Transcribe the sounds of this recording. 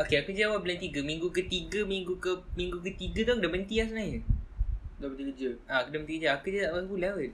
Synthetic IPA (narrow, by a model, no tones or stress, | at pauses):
okeakəd͡ʒawablant̪iɡəmiŋɡukət̪iɡəmiŋɡukəmĩŋɡukət̪iɡət̪ɔkdəmənt̪ias̬nai | dəiɡd͡ʒəakədəmənt̪iɡəd͡ʒaakəd͡ʒat̪aʔwaŋkulawət̚